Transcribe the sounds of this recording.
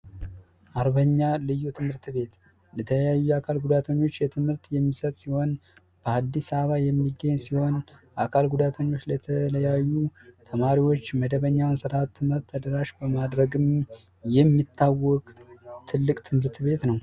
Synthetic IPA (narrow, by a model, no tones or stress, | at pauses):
ʔaɾβəɲːalɨjːut̪ʰɨmhɨɾt̪be̞t̪ | lət̪ʰələjajːuakʰalɡud̪at̪ʰəɲːo̞t͡ʃːjɛt̪ʰɨmhɨɾt̪jɛmːisət̪ʼsiho̞n | b̥əad̪ːisaβajɛmːiɡːəɲːsiho̞nʔakʰalɡud̪at̪ʰəɲːo̞t͡ʃːlət̪ʰələjajːut̪ʰəmaɾiwo̞t͡ʃːməd̪əβəɲːawnsɨɾat̪ʰːɨmɨɾt̪ʰːəd̪əɾaʃbəmad̪ɾəɡɨm | jɛmːit̪ʰːawːɔkʼt̪ʰɨlːɨkʼt̪ʰɨmhɨɾt̪βe̞t̪nəw